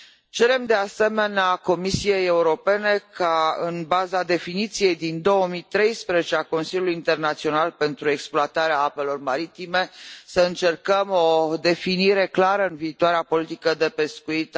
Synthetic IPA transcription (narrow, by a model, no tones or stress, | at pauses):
t͡ʃe̞ɾe̞md̪e̞ase̞me̞neako̞misije̞jeuɾo̞pe̞ne̞kaɨnbazad̪e̞finit̪sije̞jd̪ind̪o̞wəmit̪ɾe̞jspɾezet͡ʃeako̞nsilʲjuluiint̪e̞rnat̪sio̞nalpe̞nt̪ɾue̞ksploat̪aɾeaape̞lo̞rmaɾit̪ime̞səɨnt͡ʃe̞rkəmo̞d̪e̞finiɾe̞klaɾəɨnviːt̪oaɾeapo̞lit̪ikəd̪e̞pe̞skuit̪